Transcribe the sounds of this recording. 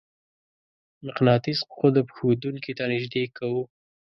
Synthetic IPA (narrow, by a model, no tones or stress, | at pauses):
mɪqnɑt̪isqod̪apxod̪uŋkit̪anɪʒd̪ekawu